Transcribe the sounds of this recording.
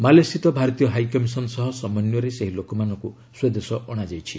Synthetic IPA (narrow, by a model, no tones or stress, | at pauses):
malesit̪ɔbʱaɾɔt̪ijɔɦajkɔmisɔnɔsɔɦɔsɔmɔnjɔɾeseɦilokɔmanɔŋku | swed̪esɔʔɔɽ̃ad͡ʒajt͡ʃʰi